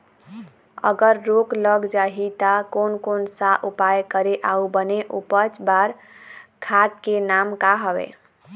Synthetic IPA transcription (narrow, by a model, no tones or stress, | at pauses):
ə̰ɡəɾːokləɡd͡ʒaɦit̪akonkonsaʔupajkəɾeʔaubəneʔupət͡ʃbaɾ | kʰaʈ̪kenamkaɦəbḛ